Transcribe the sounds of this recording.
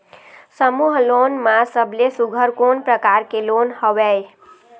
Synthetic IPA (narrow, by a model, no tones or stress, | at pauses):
səmuɦlonmasəbʱlesuɡʱəɾkonpɾəkaɾkelonhəbɛ